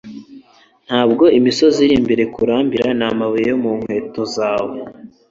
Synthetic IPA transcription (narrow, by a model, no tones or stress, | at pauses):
n̥haːb̚ɡo̞imiso̞ziɾimbeɾe̞kuɾaːmbiɾanamaβujejomuːŋ̥hwe̞ːto̞zaːwe